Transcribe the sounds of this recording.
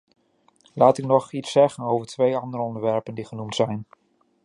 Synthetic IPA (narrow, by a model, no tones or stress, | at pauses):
laːtɪknɔχitsɛχənowvəɹtʋejɑndəɾəɔndəɹʋɛɹpəndiχənumtsɛjn